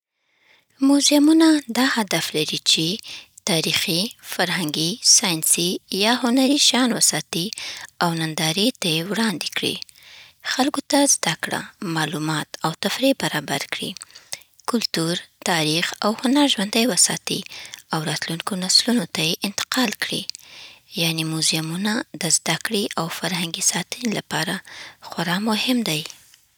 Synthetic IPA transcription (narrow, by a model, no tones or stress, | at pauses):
mʊzamunad̪ɑhad̪aflaɾit͡ʃet̪ɑɾixifaɾɦaŋɡisɑjnsijɑhʊnaɾiʃɑnwəsɑt̪iawnand̪ɑɾet̪ajewɽɑnd̪ekɽḭ | xalɡot̪azd̪akɽa̰mɑlumɑt̪awt̪afɾebaɾɑbaɾkɽḭ | kʊlt̪uɾt̪ɑɾixa̰whʊnaɾʒwand̪əjwəsɑ̰t̪ḭawɾɑt̪luŋkonaslunot̪ajeʔɪnt̪ɪ̥qɑlkɽḭ | jɑnemuzjamunad̪əzd̪akɽiʔawfaɾhaŋɡisɑt̪ənilapɑɾaxwaɾɑmʊhɪmd̪aj